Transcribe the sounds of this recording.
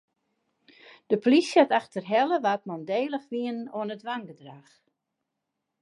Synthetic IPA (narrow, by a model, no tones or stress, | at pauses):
d̥əplisjataxtərɦɛlˠəʋat̚mɔndeːlˠəxʋiənoənətʋaŋɡədrax